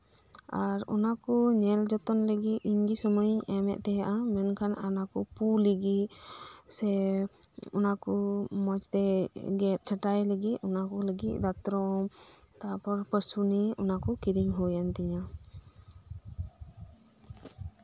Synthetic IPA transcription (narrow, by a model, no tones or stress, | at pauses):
aɾɔ̰nakɔɲɛld͡ʒɔt̪ɔnləɡit̪iɲɡisɔməjɲɛmɛ̰ʔ̚t̪ɛjaʔamɛnkʰananakɔpuləɡit̪̚sɛ | ɔ̰nakɔmɔt͡ʃt̪ɛɡɛt̪̚ˀt͡ʃʰəʈajləɡit̪ɔnakɔləɡit̪̚ˀd̪at̪ɾɔmt̪apɔɾpəɾsuniɔnakɔkiɾiŋɦɔjant̪ɛɲa